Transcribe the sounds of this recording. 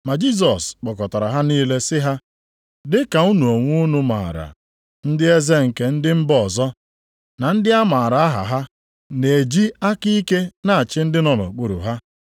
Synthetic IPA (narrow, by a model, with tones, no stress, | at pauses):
ma˨d͡ʒi˦˨s̬ɔ˨sk͡pɔ˨kɔ˨ta˨ɾa˨ɦa˦niː˦le˦sɪ˦ɦa˦ | dɪ˦ka˨u˦nu˨o˨ŋʷu˦nu˦ma̰ː˨ɾa̰˨ | n̩˦dɪ˦e˦ze˦ŋ̩˨ke˦n̩˦dɪ˦m̩˦bɔ˨zɔ˦ | na˨n̩˦dɪ˦a˦ma˨ɾa˨a˦ɦa̰˨ɦa˦ | ne˨d͡ʒi˦a˦ki˦i˦ke˦na˦a˨t͡ʃɪ˦n̩˦dɪ˦nɔ˨lɔ̰˨k͡pu˨ɾṵ˨ɦa˦